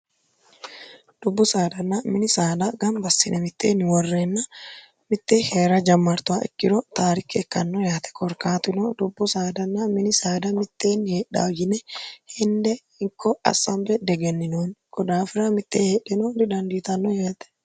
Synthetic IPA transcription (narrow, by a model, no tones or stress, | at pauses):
d̪̥ʊbːʊsaːd̪ɐnːɐmɪnɪsaːd̪ɐɡɐmbɐsːɪnʔɛmɪt̪ːḛːnwɔrːeːnːɐ | mɪt̪ːeːheːɾɐd͡ʒɐmːɐɾt̪ʊwaːʔɪ̰kːɪd̪ɔt̪aːɾɪkːɪɛkːɐnːɔjaːt̪ɛ̥kʰɔɾkaːt̪ɪnɔd̪ʊbːʊsaːd̪ɐnːɐmɪnɪsaːd̪ɐmɪt̪ːe̞ːnheːᶑa̰ːjɪnɛhɛnd̪ɛ | ɪŋkʰːɔɐ̰sɐmbɛd̪ɛɡɛnːɪnoːnkɔd̪aːfɪɾɐmɪt̪ːeːheːɗːɛnoːd̪ɪd̪ɐnd̪iːt̪ɐnːɔjeːt̪ɛ̥